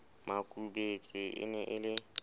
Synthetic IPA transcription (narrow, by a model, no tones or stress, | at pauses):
makʼubet͡sʼɪʔɪ̰nɛʔɪlɪ